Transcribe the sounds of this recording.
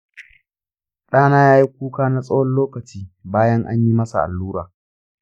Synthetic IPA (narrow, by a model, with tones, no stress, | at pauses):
ɗaː˦naː˦jaː˦ji˦k̚ʷuː˦kaː˦na˦sʼɐ˦wɔ˦nloː˦kɐ˨t͡ʃiː˦baː˦jɐ˦ŋʔa̰˦ɲji˦mɐ˦sa̰˨ʔa̰˨lːuː˦ɾa̰ː˨